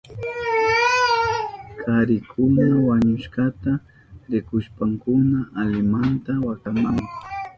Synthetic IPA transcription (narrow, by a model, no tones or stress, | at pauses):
kʰaɾɪkʰʊnawaɲʊʃkat̪a | ɾɪkʊʃpaŋkʊnaʔalɪmant̪awakamaŋkʊ